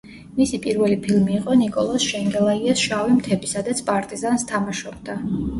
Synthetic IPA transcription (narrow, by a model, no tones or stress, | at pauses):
misipʼiɾvɛlipʰilˠmiːqʼɔnikʼɔlˠɔsʃɛŋɡɛlˠaiasʃavimt̪ʰɛbisad̪at̪sʰpʼaɾt̪ʼizanst̪ʰamaʃɔbd̪a